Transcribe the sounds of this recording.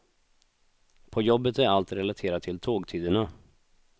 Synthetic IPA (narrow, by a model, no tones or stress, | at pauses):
pʰɔjɔbːət̪æɾalt̪ɾɛlat̪ʰeːɾat̪t̪ʰːɪlt̪ʰoːɡt̪ʰyːd̪əɳa